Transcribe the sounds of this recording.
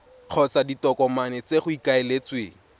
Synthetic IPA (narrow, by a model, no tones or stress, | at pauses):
q͡χʰɔt͡saditɔkɔmanɛt͡seχʊikaelet͡swḛːŋ̩